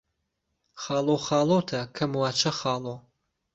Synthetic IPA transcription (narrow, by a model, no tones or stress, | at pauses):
χaːlowχaːlowtʰɐkʰɐmwaːt͡ʃʰɐχaːlo